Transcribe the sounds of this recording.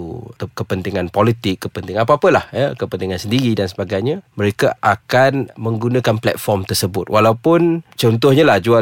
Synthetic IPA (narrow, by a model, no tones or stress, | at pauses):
ukəpənt̪iŋanpolit̪ɪkːəpənt̪ɪŋaapaapəlahjəkəpənt̪iŋansəndiɾidansəbaɡajɲaməɾekaʔakanmə̃ŋɡunãkanplɛ̰t̪̚fɔrmt̪ərsəbʊt̪̚wʔalawpʊnt͡ʃɔnt̪̬ɔhɲalahd͡ʒua